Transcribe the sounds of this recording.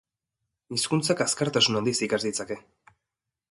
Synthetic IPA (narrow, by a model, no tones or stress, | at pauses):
iskunt͡sakaskaɾt̪asunand̪isikazd̪it͡sake̞